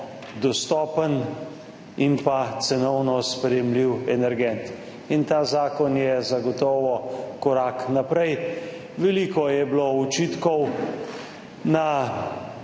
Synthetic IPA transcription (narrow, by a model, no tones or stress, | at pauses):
d̪ɔst̪ɔːpən | impat̪sɛnɔwnɔspɾɛjɛmliwɛnɛɾɡɛnt̪ | int̪aːzaːkɔnjɛzaɡɔt̪ɔːʋɔkɔɾaːknapɾɛj | ʋɛliːkɔjɛblɔut͡ʃit̪kɔw | na